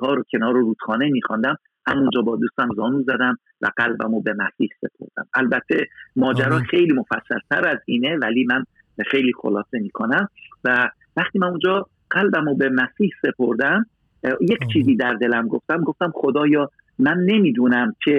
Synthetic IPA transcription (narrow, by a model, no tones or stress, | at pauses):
ɒːɾocʰe̞nɒːɾoɾuːt̪xɒːnemiːxɒnd̪æm | hæmund͡ʒɒːbɒːd̪uːst̪æmzɒːnuːzæd̪æm | væ̰ɡ̥ælbæ̰mobe̞mæsiːhse̞̰pʰo̞̰ɾd̪̥æ̰mælbæt̪ʰːe̞mɒːd͡ʒæɾɒːxe̞jliːmo̞fæsːæ̰lt̪ʰæɾæziːne̞væliːmæn | xe̞jliːxo̰lɒːse̞miːkʰo̞næmvæ | væχt̪iːmænund͡ʒɒː | ɢ̥ælbæmobe̞mæsiːhse̞pʰo̞ɾd̪æm | jecʰt͡ʃʰiːziːd̪æɾd̪e̞læmɡo̞ft̪æmɡo̞ft̪æmχo̞d̪ɒːjɒː | mænːe̞miːd̪uːnæmkʰe̞